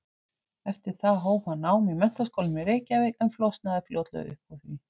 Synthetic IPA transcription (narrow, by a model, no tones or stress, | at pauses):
ɛft̪ɪɾ̥θaðɦoːwphanːaːwmimɛn̥t̪askowlʏmɛreːjcaveɛmflɔst̪naðɪfljoːwt̪lœ̰ʏ̰hpawθvi